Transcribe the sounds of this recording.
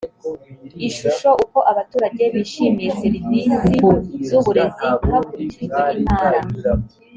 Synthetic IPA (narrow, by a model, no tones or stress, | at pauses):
iʃuʃo̞ʔuko̞ʔaβatuːɾaɟe̞βiʃiːmijeseɾivisizuβuɾe̞zihakuɾiciwein̥haːɾa